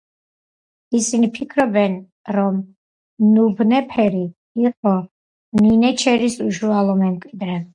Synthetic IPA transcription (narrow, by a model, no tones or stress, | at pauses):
isinipʰikʰɾɔbɛn | ɾɔm | nubnɛpʰɛɾi | iqʼɔ | ninɛt͡ʃʰɛɾisuʃualˠɔmɛmkʼwid̪ɾɛ